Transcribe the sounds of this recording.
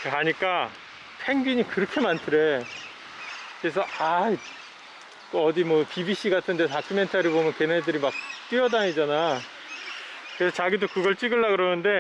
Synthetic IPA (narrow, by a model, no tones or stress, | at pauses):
aɲik͈a | pʰe̞ŋɡiɲikɯɾʌkʰe̞mantʰɯɾe̞ | kɯɾesʰʌʔai | kʌdimwʌpibiɕ͈iɡatʰɯnde̞takʰɯme̞ntʰaɾibomjʌnke̞nedɯɾimak̚t͈wiʌdaɲid͡ʑana | kɯɾe̞sʰʌt͡ɕaɡidokɯɡʌɭt͡ɕ͈iɡɯɭːakɯɾʌnɯnde̞